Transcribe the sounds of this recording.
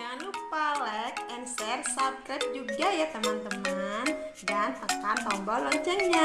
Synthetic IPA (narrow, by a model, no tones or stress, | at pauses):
anupalɛk̪̚ɛnsɛrsap̚kɾat̪̚d͡ʒuɡajat̪əmant̪əmandanpəkantɔmbɔlɔɲt͡ʃɛŋɲa